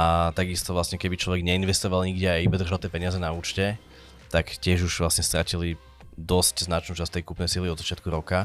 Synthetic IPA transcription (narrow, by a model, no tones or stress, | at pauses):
at̪aɡist̪ɔʋlasɲɛkɛbit͡ʃlɔʋɛɡɲɛinʋɛst̪ɔʋalɲiɡɟɛajibɛd̪r̩ʒalt̪ɛpɛɲɪazɛnauːt͡ʃcɛ | t̪akcɪɛʒuʒ̥ʋlasɲɛst̪ɾacili | d̪ɔscznat͡ʃnuːt͡ʃast̪ɛjkupnɛjsiliɔd̪zat͡ʃɪat̪kuɾɔka